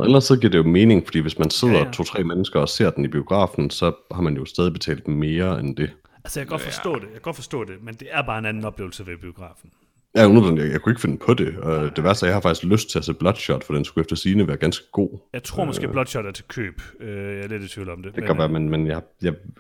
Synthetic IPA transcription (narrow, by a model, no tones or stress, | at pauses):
ɒʔelɐsd̥sɒɡḭːɐ̰d̥e̝jo̝me̝ːne̝ŋfɒ̽d̥ḭːʋe̝smænse̝ð̞̰ˠɐt͡sʰo̝̰ːt͡sʰʁɛ̰ːmenəsɡ̥ɐɒ̽se̝ɐd̥enib̥io̝ɡ̥ʁɑ̰̈ːfn̩sɒ̽hɑ̈mænjo̝sd̥ɛːðˠib̥e̝t͡sʰɛ̰ːld̥me̝ːɐend̥e̝ | ælsəjakʰːɡ̥ɒ̥̽fɒsdɔ̰̽ːd̥ejjaɡɒ̽d̥fɒ̽sd̥ɔ̰ːd̥e̝mend̥e̝æɐb̥ɑ̈ːe̝nænn̩ɒ̽b̥le̝ːʊl̩səʋeb̥io̝ɡ̥ʁɑ̰̈ːfn̩ | jæunɐ̥n̩jajakʰue̝ɡ̥əfe̝n̩pʰɒ̽d̥e̝d̥e̝ʋæɐsɒjɑ̈hɑ̈fɡ̥i̥sɡ̥løsd̥̚t͡sʰe̝æsḛːb̥lɒ̽d̥ɕɒd̥fɒd̥i̥ensɡ̥uefd̥ɐsiːnəʋæːɐɡ̥ænsɡ̥əɡ̥o̝̰ːjäɪt͡sʰʁo̰mɔsɡḛblɒd̥ɕɒd̥æɐt͡sʰe̝kʰø̰ːb̥øjaled̥et͡sʰʋḭːl̩ɒ̽md̥ed̥eɡ̥ɒʋæːɐmenmenjɑjɑ̈ɪ